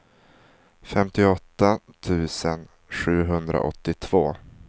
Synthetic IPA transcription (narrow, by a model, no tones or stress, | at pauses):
fɛmt̪ɪɔt̪ːat̪ʰʉ̟ːsən | ɧʉ̟ːɦɵnd̪ɾa̰ʔɔ̰t̪ːɪt̪ʰv̥oː